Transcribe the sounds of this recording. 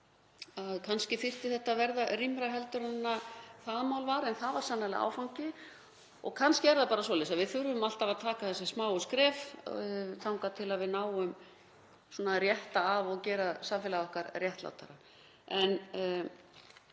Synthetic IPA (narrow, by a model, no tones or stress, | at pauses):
aðkʰanscɪfɪr̥t̪ɪθɛht̪ːavɛɾðarimɾaɦɛlt̪ʏɾanːaθaðmawlvaɾɛnθaðvaɾ̥sanːalɪ̰a̰ːwfawŋcɪ | ɔ̰ɣkʰanscɪvɛɾðapaːɾas̬ɔːlɛːsaðvɪðθʏɾvʏmal̥t̪avaðt̪ʰaːkaθɛsːɪsmaːwʏskɾɛːf | θʰawŋkat̪ʰɪlaðvɪðnaːwʏm | sɔːnarjɛht̪aːvɔɣcɛːɾasamfɛlaɔhkaɾrjɛht̪la̰wt̪a̰ɾa | ɛn